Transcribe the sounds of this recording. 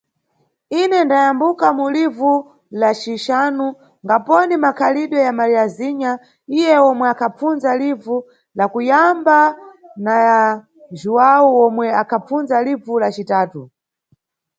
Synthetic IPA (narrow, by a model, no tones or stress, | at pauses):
inɛndajambukamulivu | lat͡ʃiʃaːnu | ŋɡapɔnimakʰaliɗwɔjamaɾiaziɲa | ijɛwɔmwɛakʰap͡funzalivu | lakujambanaja | ʒuwawuwɔmwɛakʰap͡funzalivulat͡ʃitaːtu